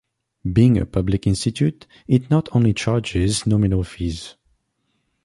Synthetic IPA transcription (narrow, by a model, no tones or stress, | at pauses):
biɪ̃ŋə̰pʰʌblɪkɪ̃nstɨtʰʉt | ɪtⁿnɔtʰõʊ̃nlit͡ʃɑɹd͡ʒɪznɔminəlˠfiz̥